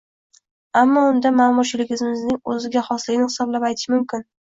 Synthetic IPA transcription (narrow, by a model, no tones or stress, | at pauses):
amːɒʊnd̪amamʊɾʃɪlɪɡʲɪzɪmɪznɪŋɵzɪɡʲaχɒslɪɡʲɪnɪhɪsɒblapajt̪ʰɪ̥ʃmʊmkʲɪn